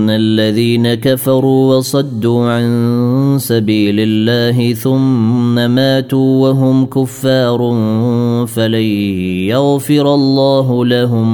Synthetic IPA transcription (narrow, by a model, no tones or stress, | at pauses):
nːaʔlːaðiːnakafɑɾˤuːwɑsˤɑd̪ːuːʕansabiːlɪlːaːɦɪθʊmːamaːt̪uːwaɦʊmkʊfːɑːɾˤ | falajaɣfɪɾɑlˤːɑːɦʊlaɦʊm